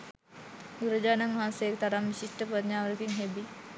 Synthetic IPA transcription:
ɡuɾəd͡ʑaːnaŋʋaɦansejekt̪aɾamʋiɕiʂʈəpɾɐd̪ɲaːʋəɾəkiŋɦebi

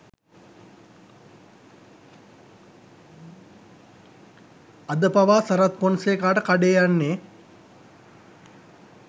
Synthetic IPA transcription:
ad̪əpaʋaːsɐɾat̪̚ponseːkaːʈəkaɖeːjanːe

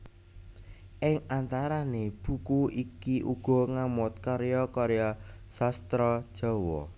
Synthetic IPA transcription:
ʔɪŋant̪aɾaneb̥ṳkuikiʔuɡ̥ɔ̤ŋamʊt̪̚kɔɾejɔkɔɾejɔsast̪ɾɔd̥ʒ̥ɔ̤wɔ̰

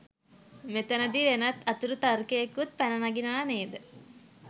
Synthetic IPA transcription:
met̪ənəd̪iɾenɐt̪ɐt̪uɾut̪arkeekut̪̚pænənaɡinəʋaːneːd̪ə

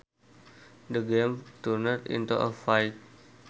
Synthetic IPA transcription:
dəɡẽmtunətḭ̃ntuʔə̰fajk̚

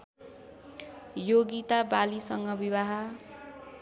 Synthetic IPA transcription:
joɡit̪abalisʌŋɡʌbibaɦʌ

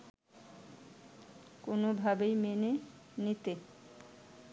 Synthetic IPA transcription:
konobʱabejmenenit̪e

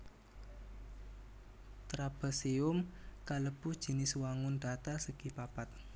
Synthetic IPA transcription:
t̪ɾab̥ə̤siʊmkaləb̥ʊd̥ʒ̥i̤nɪswaŋʊnd̥at̪asəɡ̥ipapat̪̚

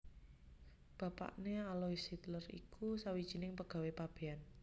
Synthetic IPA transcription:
b̥a̤pa̰ʔnealoisit̪lərḭkʰusawid̥ʒ̥i̤nɪŋpəɡ̥a̤wepab̥e̤an

